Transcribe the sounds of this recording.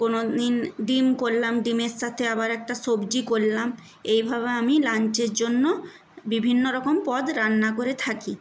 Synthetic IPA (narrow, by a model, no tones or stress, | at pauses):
konod̪inɖimkolːamɖimeɾʃat̪ʰeabaɾɛk̚ʈasobd͡ʑikolːam | ejbʱaβeamilant͡ɕeɾd͡ʑonːo | bibʱinːoɾɔkompɔd̪ɾanːakoɾet̪ʰaki